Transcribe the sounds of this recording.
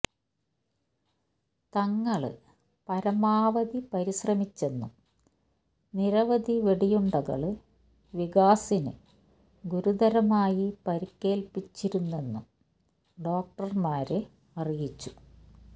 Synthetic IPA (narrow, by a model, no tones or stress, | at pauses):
t̪ɐŋːɐɭɨ | pɐɾɐmaːʋɐd̪ipɐɾiɕrɐmit͡ɕːe̞nːum | niɾɐʋɐd̪iʋeɽijuɳɖɐɣɐ̰ɭɨ | ʋiɣaːsinɨ | ɡuɾud̪ɐɾɐmaːjipɐɾikʲːe̞ːlpit͡ɕːiɾunːe̞nːum | ɖo̞ːk̚ʈɐrmaːɾe | ɐrijit͡ɕːu̥